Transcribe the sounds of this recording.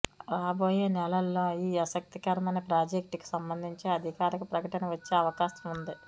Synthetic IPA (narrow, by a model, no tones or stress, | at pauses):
ɾaːbo̞ːjeːnɛlɐlːoːiːɐsɐk̚t̪ikɐɾɐmɐnɐpɾaːd͡ʒek̚ʈki̥sɐmbɐnd̪ʱiɲt͡ʃeːɐd̪ʱikaːɾɐkupɾɐkɐʈɐnɐʋɐt͡ʃːe̞ːɐʋɐkaːsɐmund̪i